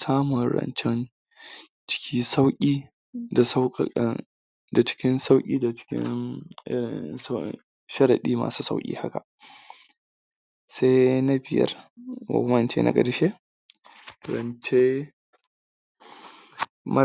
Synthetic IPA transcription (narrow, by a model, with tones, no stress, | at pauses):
saː˦mʊ˨nɾɐ̰˨nt͡ʃɛ˦n | t͡ʃɪ̥˦kʲʰiː˦sa˦wkʲʼiː˦ | da˨sa˦˨˦ | da˨t͡ʃɪ̥˦kʲɪ˦nsa˦wkʲʼiː˦dḁ˨˦kʲɪ̰˦nɪ˦ɪ˨˦ | ʃɐ˦ɾɐ˨ɗiː˦ma̰ː˨suː˦sa̰˦wkʲʼḭː˦ha˦ka˨ | sa˦jna˦bɪ˨jɐ̰˦rwa̰˨kmɐ˦nt͡ʃḛ˦na̰˦˨ɡʼɐ˨dɪ˦ʃe˦ | ɾɐ̰˨nt͡ʃe˦ | mɐ˦